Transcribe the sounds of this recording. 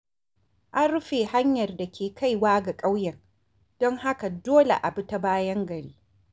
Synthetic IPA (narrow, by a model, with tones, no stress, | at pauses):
ʔa˦nɾu˦ɸeː˨ha˦ɲjɐ˨rda˨kʲʰeː˨kʰa˦jwaː˦ɡa˨kʼa˦wjɛ˨ŋ | d̥ɔ˦ŋha˦ka˨doː˦lḛ˨ʔa˨bʊ˦ta˦baː˦jɐ˦ŋɡɐ˨ɽiː˦